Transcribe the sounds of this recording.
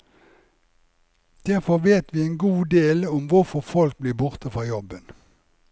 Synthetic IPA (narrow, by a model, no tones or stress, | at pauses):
d̪̥æʁfɔʁʋeːt̪ʋiːeːnɡuːd̪eːlɔmʋʊʁfɔʁfɔlk̚bliːbʊʁt̪əfʁɑːjɔbən